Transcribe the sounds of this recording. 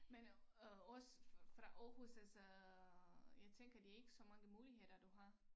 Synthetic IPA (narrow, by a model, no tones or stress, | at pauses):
menɒ̽sfʁɑ̈ʔɒːhusælsɒ | jɑ̈ɪt͡sʰeŋ̰ɡ̥ɐd̥iæe̝ɡ̥əsɒ̽mɑ̈ŋəmuːlihe̝ð̰ˠɐd̥uɦɑ̈